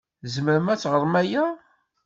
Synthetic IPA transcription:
zməɾəmæt͡sːʁəɾˤmæjæ

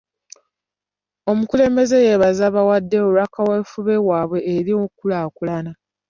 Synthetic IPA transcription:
o̞mukule̞ːmbe̞ze̞je̞βazaβawadːe̞oɾakaweːfuβe̞waːβwe̞ːɾio̞kulakulana

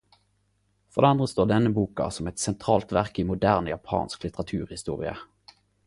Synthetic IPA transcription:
fɔʁd̪eɑnd̪ʁəst̪oːʁd̪ɛnːəbuːkɑ̰sɔmɛt̪sɛnt̪ʰʁɑːlt̪ʋæʁkiːmʊd̪æʁnjɑpʰɑ̰ːnsklɪt̪əʁɑt̪ʰʉːʁhɪst̪ṵːʁɪ̰ə̰

